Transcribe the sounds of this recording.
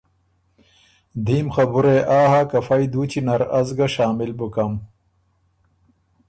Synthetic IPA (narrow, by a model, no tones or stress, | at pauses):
d̪iːmxɐbuɾeʔaːɦakɐfɐjd̪uːt͡ɕinɐɾɐzɡɐʂaːmilbukɐm